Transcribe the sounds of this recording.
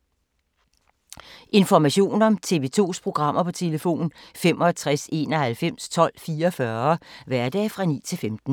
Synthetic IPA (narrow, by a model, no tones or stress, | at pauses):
ʔe̝nfɒmæɕo̝̰ːnɒ̽mt͡sʰe̝ʋe̝ːt͡sʰo̝̰ːspʰʁo̝ɡ̥ʁɑ̈m̰ɐpʰɒ̽t͡sʰe̝ləfo̝̰ːn̩fem̰ɒt͡sʰʁase̝̰ːnɒ̽hælfem̰st͡sʰɒ̽l̰fiːɐfɶɐʋæɐd̥ɛ̰ːfʁɑ̈nḭːt͡sʰe̝lfemd̥n̩